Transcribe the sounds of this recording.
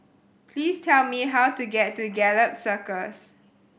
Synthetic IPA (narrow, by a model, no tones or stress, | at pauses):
pʰliːstʰɛlmiɦawtuɡɛtːuɡɛləp̚səkəs